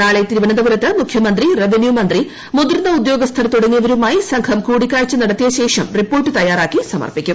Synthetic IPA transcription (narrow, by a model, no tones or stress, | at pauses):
aːɭet̪iɾuʋɐnɐd̪ɐʋɐɾɐt̪ːɨmukʰjɐmɐnd̪rireʋenjumɐnd̪ri | mud̪irnːɐud̪jo̞ːɡɐst̪ʰɐlɐt̪uɽɐŋːijɐʋɐɾumaːjisɐŋkʰɐmkuːɽikʲːaːɻt͡ɕːɨnɐɽɐt̪ːijɐɕe̞ːʂɐmripːoːrʈːɨt̪ɐjːaːɾaːkːisɐmɐ̰rpikʲːum